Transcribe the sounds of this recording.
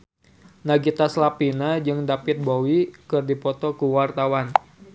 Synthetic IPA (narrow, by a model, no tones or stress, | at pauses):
naɡit̪aslapinad͡ʒɨŋdapɪt̪̚bowikɨrdipɔt̪ɔkuwart̪awan